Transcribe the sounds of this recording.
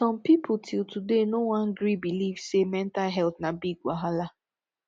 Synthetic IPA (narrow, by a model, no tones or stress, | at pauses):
sɔ̃mpipʰʊtʰɪlˠtudenowɔ̃nɡɾibilivsemɛn̩talɦɛlθnabiɡɡʷaɦala